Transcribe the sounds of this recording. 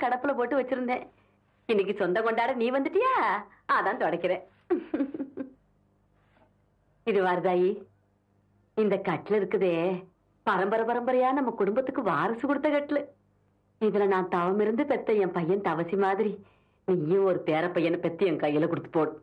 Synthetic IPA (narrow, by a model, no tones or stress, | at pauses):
kɐɽɐpːɯlɐpoːʈːɯʋɐt͡ʃːɪɾɯnd̪ẽː | ɪnːɪk̬ːɯsɔnd̪ɐkɔɳɖaːɽɐniːʋɐnd̪ɯʈːɯjaː | aːt̪ãːnt̪ɔɽɐkːɪɾẽː | ɪðɯʋaːɾɯðaːjiː | ɪnd̪ɐkɐʈːɪlɪɾɯkːɯðeː | pɐɾɐmbɐɾɐpɐɾɐmbɐɾɐjaːnɐmːɐkʊɽʊmbɐt̪ːɯkːɯʋaːɾɐsɯkɔɽɯt̪ːɐkɐʈːɪlɯ | ɪðɐlɐnãːnt̪ɐʋɐmɪɾɯnd̪ɯpɛt̪ːɐɛmpɐjːɐnt̪ɐʋɐsimaːðɪɾi | niːjɐ̃ɔɾɯt̪eːɾɐpɐjːɐnɐpɛt̪ːɐjɛŋkɐjɪlɐkɔɽɯt̪ːɯ̥pːoːɽɯ̃